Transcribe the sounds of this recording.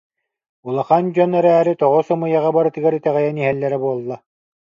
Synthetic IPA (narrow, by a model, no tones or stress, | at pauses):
ulˠaχand͡ʑɔnɛɾæːɾit̪ɔʁɔsɔmɯjaʁabaɾɯt̪ɯɡaɾit̪ɛʁɛjɛniɦɛlːɛɾɛbuɔlˠːa